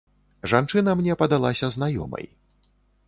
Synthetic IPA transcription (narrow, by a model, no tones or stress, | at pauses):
ʐant͡ʂɨnɐmnʲɛpɐd̪alˠasʲɐznajɔ̰mɐ̰j